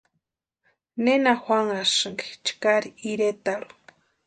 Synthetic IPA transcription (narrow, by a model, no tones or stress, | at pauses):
nenaxwaŋaʃɨŋɡi̥t͡ʃkaɾiiɾet̪aɾu̥